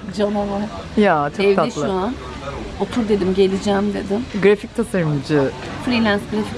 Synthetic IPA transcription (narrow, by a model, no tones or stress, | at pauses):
d͡ʒanala | jat͡ʃʰoɛvd̪aɛʃlˠuan | ot̪ʰuɾd̪e̞d̪imɟe̞lʲid͡ʒɛːmd̪e̞d̪ɪmɡɾafic̚t̪ʰasaɾɯmd͡ʒɯ | fɾiːlʲænsɡɾafic